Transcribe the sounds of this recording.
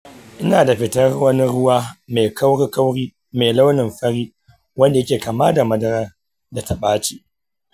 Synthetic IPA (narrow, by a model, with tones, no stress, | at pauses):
ʔɪ˦naː˨da˨ɸɪ˨tɐ˦rwɐ˦ni˦ɾʊ˦waː˦me˨kʰa˦wɽi˦ka˦wɽiː˦ | me˨la˦wnɪ˨mɸɐ˦ɽiː˦ | wɐ˦nda˨jɐ˦kʲeː˨ka˨maː˦da˨mɐ˦dɐ˦ɾɐ˦ | da˨ta˦ɓaː˦t͡ʃiː˦